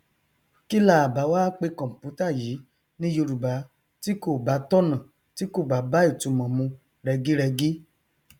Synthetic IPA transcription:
ki˦la˦˨a˨ba˨˧˦waː˦k͡pe˧kɔ̃˨m̩˨pu˨˦ta˦˨ji˨˦ | nĩ˦jo˧ɾu˨ba˨˦ | ti˦ko˦˨ba˨˦tɔ˦nã˨ | ti˦ko˦˨ɡ͡ba˨˦ba˦i˦˨tũ˨˧˦mã˨mũ˧ | ɾɛ˧ɡi˦ɾɛ˧ɡi˦

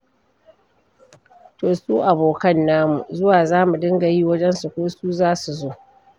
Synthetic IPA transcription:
toː˨suː˦ʔa˨boː˨kɐ˦nːaː˦mu˨zʊ˦waː˨zaː˦mu˨dɪ˦ŋɡa˨jiː˦wɐ˦d͡ʒɛ˦nsu˨kʷoː˦suː˦zaː˦su˨zoː˦

